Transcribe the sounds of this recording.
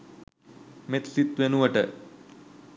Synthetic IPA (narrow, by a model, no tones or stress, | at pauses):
met̪ʰsit̪ʋenuʋɐʈə̰